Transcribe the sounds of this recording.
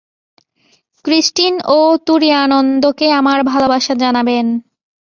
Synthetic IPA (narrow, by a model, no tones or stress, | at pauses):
kɾisʈinot̪uɾianond̪okeamaɾbʱalobaʃad͡ʑanaben